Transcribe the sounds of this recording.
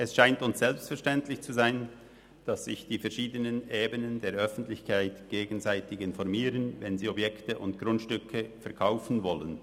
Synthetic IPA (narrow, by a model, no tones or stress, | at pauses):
ʔɛsʃaɪntʊnsz̥ɛlpstfɛɐʁʃtɛntlɪçt͡suzaɪn | d̥asːɪçd̥iːfɛɐʃiːdənəneːbənəndeːɐɾʔœfn̩tlɪçkʰaɪtɡ̥eːɡn̩zaɪtɪçɪnfɔʁmiːɾənvɛnziːɔbjɛktəʔʊntɡ̥ʁʊntʃtʏkʰəfɛɐkʰaʊfn̩vɔlən